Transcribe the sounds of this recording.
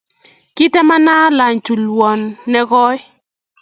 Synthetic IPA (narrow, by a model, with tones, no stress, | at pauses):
ki˦tɛ˦ma˦na˦la˨ɲtu˨lwɔ˨nːɛ˦ɣɔ˦j